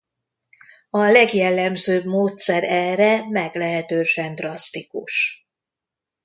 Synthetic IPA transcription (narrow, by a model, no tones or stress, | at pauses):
ɒlɛɡjɛlːɛmzøːbmoːt̪sɛɾɛrɛmɛɡlɛɦɛt̪øːʃɛnd̪rɒst̪ikuʃ